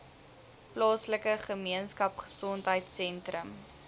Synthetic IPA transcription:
plɑːsləkəχəmiənskɐpχə̥sɔntɦəjtsɛntrəm

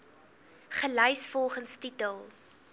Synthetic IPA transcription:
χələjsfɔlˠχənstitəlˠ

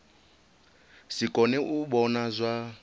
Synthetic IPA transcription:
sikʼɔnɛʔuɓɔnazʷa

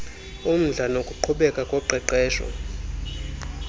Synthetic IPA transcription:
um̩ɮanokʼuǃʰuɓɛkʼakʼɔǃʱɛǃɛːʃɔ̰

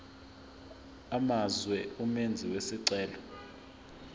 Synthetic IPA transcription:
amazwɛumend͡zʱiwesiǀɛːlɔ

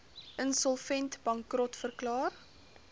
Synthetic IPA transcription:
ənsɔlˠfɛntbɐŋkrɔtfərklɑːr

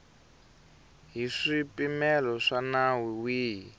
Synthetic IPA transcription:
ɦiʂipimɛlɔʂanawiwiːɦi

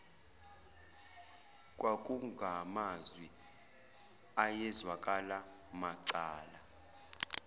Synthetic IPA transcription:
kʼwakʼuŋɡʱamazwi | ajɛzwakʼala | maǀaːla

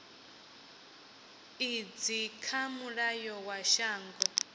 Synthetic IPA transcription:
id͡zikʰamuɺajɔwaʃaːŋɡɔ

